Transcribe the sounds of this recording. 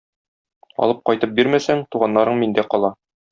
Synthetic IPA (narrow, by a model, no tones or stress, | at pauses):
ɒ̰lˠɤp̚qɒjt̪ɤp̚biɾmæsæŋt̪uʁɑnːɑɾɤɴmind̪æqɒlˠɑ